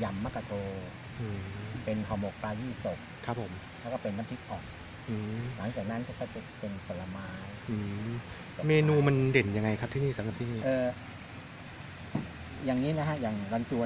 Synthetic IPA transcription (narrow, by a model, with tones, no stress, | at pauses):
ja˧mːa˦˥kːa˧t̪ʰoː˧ | ʔɯː˧pe˧nhɔː˨˧mo˨˩k̚paː˧jiː˥˩so˨˩k̚kʰɾa˦˥pʰːo˩˦m | lɛː˦˥˩kɔː˥˩pe˧nːaː˦˥˩mpʰi˦˥k̪̚ʔɔː˨˩k̚ | ʔɯː˧la˩˦ŋt͡ɕaː˨˩k̚na˦˥nkɔː˥˩kɔː˥˩t͡ɕa˨˩pe˧npʰo˨˩lla˧maː˦˥jʔɯː˧˩ | meː˧nuː˧ma˧nde˨˩nja˧ŋa˧jk̚ʰt̪ʰiː˥˩niː˥˩sa˨˦mka˨˩pt̪ʰiː˥˧˩niː˥˩ʔɤː˧ | jaː˨˩ŋiː˦˥na˦˥kʰa˦˥ʔjaː˨˩ŋlɔ˧nt̪u˧